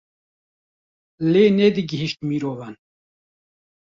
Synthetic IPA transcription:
leːneːd̪iɡiɦiʃt̪miːɾoːvan

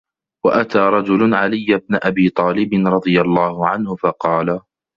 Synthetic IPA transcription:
waʔat̪aːɾˤɑd͡ʒʊlʊnʕalɪjːab̚naʔabiːt̪ˤɑːlɪbɪnɾˤɑd̪ˤɨjalˤːaːhʊʕanhʊfɑqɑːla

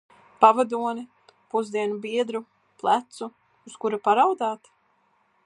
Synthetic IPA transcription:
pavad̪uɔni | puzd̪iɛnubiɛd̪ɾu | plˠat̪suː | skuɾapaɾawd̪aːt̪

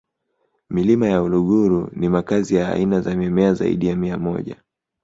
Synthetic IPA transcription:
milimajauluɠuɾṵnimakazija̰ːinazamjɛmɛaza̰ḭɗijamiamɔ̰ʄa̰

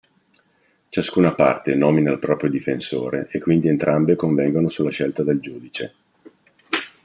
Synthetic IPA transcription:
t͡ʃaskuːnapa̰rt̪enɔːminalpɾɔːpɾjod̪ifenso̰ːɾeʔekːwind̪ient̪ɾambekoɱvɛŋɡonosulːaʃɛlt̪ad̪eld͡ʒuːd̪it͡ʃe

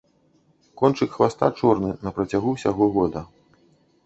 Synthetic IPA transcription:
kɔnt͡ʂɨkxvast̪at͡ʂɔrnɨnɐpɾɐt͡sʲaɣuwsʲaɣɔɣɔd̪ɐ

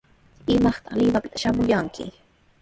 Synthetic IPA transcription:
ɪmɑχt̪ɑlɪwapɪ̥t̪ḁʃamʊjaŋkʰɪ̰

